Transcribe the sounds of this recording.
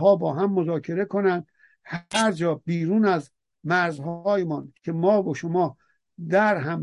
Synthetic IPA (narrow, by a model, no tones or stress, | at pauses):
ɦɒːbɒːɦæmːozɒːkʰe̞ɾe̞kʰonænd̪̥ | hæɾd͡ʒɒːbiːɾuːnæz | mæɾzhɒːjemɒːnkʰemɒːvoʃomɒː | d̪æɾɦæm